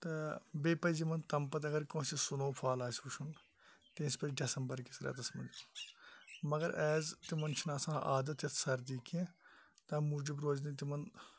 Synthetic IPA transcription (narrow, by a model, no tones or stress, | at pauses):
t̪ɐbeːpɐjzimɐnt̪ɐmpɐt̪̬ɐɡɐɾkõːsisʊnoːpʰaːlaːsuʃʰun | t̪eːspɐɖɐsɐmbəɾkisɐɾɛ̰ːt̪ɐsmɐ̰n | mɐɡɐɾʔɛːzt̪imɐnt͡ʃʰinaːsãːʔa̰ːd̪ɐt̪jɐt̪ʰsɐɾd̪iːkẽːt̪ɐ̃mud͡ʒibɾoːd͡ʒnĩt̪̬imɐn